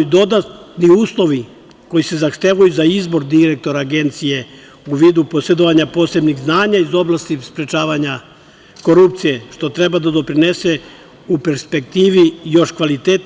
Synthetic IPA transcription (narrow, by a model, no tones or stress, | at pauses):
ud̪o̞d̪at̪niuːslˠo̞ʋi | ko̞jise̞zaxt̪eʋajuzaizbo̞ɾd̪iɾe̞k̚t̪o̞ɾaːɡe̞nt̪sije̞ | uʋiːd̪upo̞se̞d̪oʋaɲapo̞se̞bniɣznaːɲaizo̞blˠast̪ispɾe̞t͡ʃaːʋaɲa | ko̞ɾupt̪sije̞ʃt̪o̞t̪ɾe̞bad̪ad̪o̞pɾine̞se̞ | upeɾspe̞kt̪iːʋijo̞ʃkʋalit̪eːt̪